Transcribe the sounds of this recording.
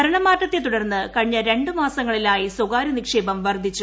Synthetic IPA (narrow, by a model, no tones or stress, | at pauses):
ɐɾɐɳɐmaːtːɐt̪ːet̪uɽɐrnːɨkɐɻɲːɐɾe̞ɳɖɨmaːsɐŋːɐɭilaːjisoɡaːɾɐnikʂe̞ːbɐmʋɐrd̪ʱit͡ɕːu